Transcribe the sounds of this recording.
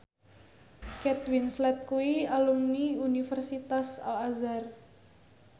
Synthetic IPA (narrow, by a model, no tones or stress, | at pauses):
kɛt̪winslɛt̪̚kuialumniunifərsit̪asa̰lazar